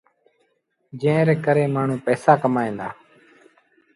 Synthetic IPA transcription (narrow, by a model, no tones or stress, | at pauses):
d͡ʒẽːɾeːkəɾeːmaːɳ̤ũːpɛːsaːkəmaːẽːnd̪aː